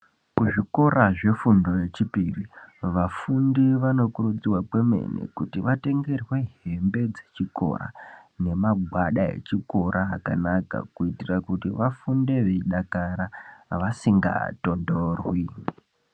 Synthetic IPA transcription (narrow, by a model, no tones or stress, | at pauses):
kuʐiko̞ɾʔaʐe̞fundo̞je̞t͡ʃipiriʋafundiʋano̞kuɾud͡ziwakwe̞me̞̰nḛkutiʋate̞ŋɡe̞rwe̞ɦe̞mbe̞d͡ze̞̥t͡ʃiko̞̰ɾa̰ne̞maɡʱwaɗaḛt͡ʃiko̞ɾʔaːka̰naka̰kuitirakutiʋafunde̞ʋeiɗakaɾaʋasiŋɡa̰to̞ndorwi